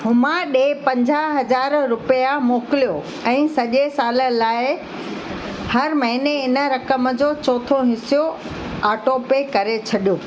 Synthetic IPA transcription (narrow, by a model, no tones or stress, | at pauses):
ɦʊmãɗeːpɐ̃ɲd͡ʑaɦɐzaːɾɾʊpijamoːkɪlijo | ɛ̃ːsɐʄesaːlə̆laːɪ | hɐɾmɐɦɪneɪnə̆ɾɐkəməd͡ʑoːt͡ɕɔːt̪ʰõɦɪsijo | aːʈoːpekɐɾet͡ɕʰɐɗijoː